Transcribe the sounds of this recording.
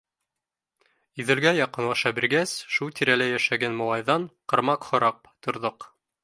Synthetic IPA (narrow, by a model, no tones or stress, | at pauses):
ɵ̆ðɘ̆ɾɡæjɑqɤ̆nwɑʃɑbiɾɡæsʃulˠt̪ʰiɾælæjæʃæɡænmŏlˠɑjðɑɴqɤ̆ɾmɑqχŏɾɑq̚ | t̪ŏɾðoq